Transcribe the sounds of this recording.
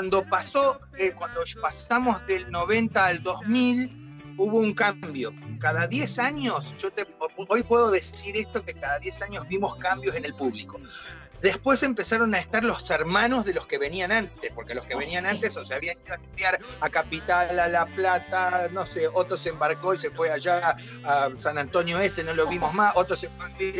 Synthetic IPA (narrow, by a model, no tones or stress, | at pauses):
wand̪o̞paso̞ | ekwand̪opasamo̞zðe̞lno̞βe̞nt̪aːld̪o̞zmil | uβo̞uŋkambjokaðaðjesaɲo̞sʒ̥ot̪eo̞jpwe̞ðo̞ðe̞siɾest̪o̞kekaðaðje̞saɲozβimo̞skambjo̞se̞ne̞lpuβliko̞ | ðe̞spwe̞se̞mpe̞saɾo̞naest̪aɾloseɾmãno̞zðe̞lo̞ske̞βe̞nianant̪espo̞ɾke̞lo̞skeβe̞nianant̪esoseaβianiðoat̪upjaɾakapit̪alalaplat̪ano̞seot̪ɾoseeːmbaɾko̞ise̞fweaʒaː | sanant̪o̞njoest̪eno̞loβimo̞zmaso̞t̪ɾosefei